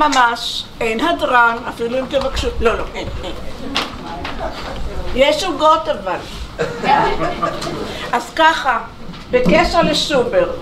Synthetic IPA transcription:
mamaʃejnhad̪ʁanafiluimt̪evakʃut̪loloʔenen | jeʃuɡot̪aval | ʔazkaχa | bekeʃaʁleʃubeʁ

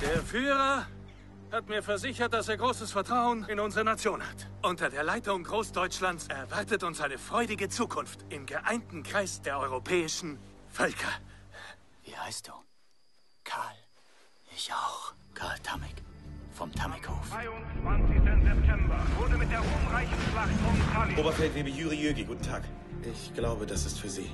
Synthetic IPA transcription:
d̥eːɐfyːʁɐ | hatmiːɐfɛɐzɪçɐt̚d̥aseːɐɡʁoːsəsfɛɐtʁ̥aʊənɪnʊnzəʁɐnat͡sjoːnha̰t | ʔʊntɐdeːɐlaɪtʊŋɡʁoːsd̥ɔʏt͡ʃlant͡sʔɛɐvaɐtətʊnsʔaɪnəfʁ̥ɔʏdɪɡət͡suːkʰʊnftɪmɡəʔaɪntn̩kʁ̥aɪsd̥eːɐʔɔʏʁopʰɛːɪʃn̩fœlkʰɐ | vḭːha̰ɪst̚d̥uː | kʰaːl | ʔɪçaʊx | kʰa̰ːltʰamɪ̰kfɔmtʰamɪkho̰ːfaɪʊnt͡sv̥ant͡sɪçtənzɛp̚tʰɛmbɐvʊːdəmɪt̚d̥eːɐʊɐmʁaɪçn̩ʃlanʊŋaloːbɐtfɛltveːbəjuːʁiøːɡiɡuːtn̩tʰaːk | ʔɪçɡ̥laʊbəd̥asɪstfyːɐzḭː

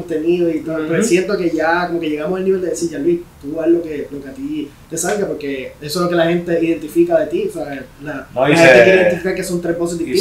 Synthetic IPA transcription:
nt̪eniðoit̪opesje̞nt̪o̞ke̞ʝako̞moke̞ʝe̞ɣamosalniβe̞ld̪e̞ðesiʝalwiht̪ualo̞kelo̞keat̪it̪e̞salɡapo̞ɾke̞esolo̞ke̞lahe̞nt̪e̞iðe̞nt̪ifikaðe̞t̪iosealaahent̪ekjeɾeiðent̪ifikaɾke̞so̞nt̪ɾeɦbo̞s̬ed̪ii

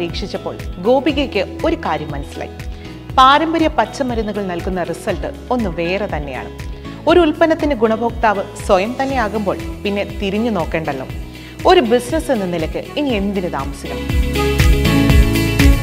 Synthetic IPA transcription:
ɾiːkʂit͡ɕːɐpːo̞ːɭɡo̞ːbiɣekʲːɨo̞ɾukaːɾjɐmːɐnɐsilɐ̰j | paːɾɐmbɐɾjɐpɐt͡ɕːɐmɐɾɐnːuɣɐɭnɐlkun̪ːɐrisɐlʈɨo̞nːɨʋe̞ːre̞t̪ɐnːe̞ja̰ːɳɨ̰ | o̞ɾuulpɐnɐt̪ːinɨɡuɳɐbo̞ːkt̪aːʋɨswɐjɐmt̪ɐnːe̞jaːɣumbo̞̰ːɭpinːe̞t̪iɾiɲːuno̞ːkːe̞ːɳɖɐlːo̰ | o̞ɾubisnɐse̞nːɐnilɐkʲːɨinie̞nd̪inɨt̪a̰ːmɐsiɣɐm

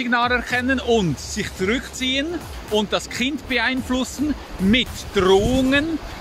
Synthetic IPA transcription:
ɪɡnaːlɛɐkʰɛnənʊntsɪçt͡suʁʏkt͡siːən | ʔʊnt̚d̥askʰɪntb̥əaɪnflʊsn̩ | mɪtd̥ʁoːʊŋən

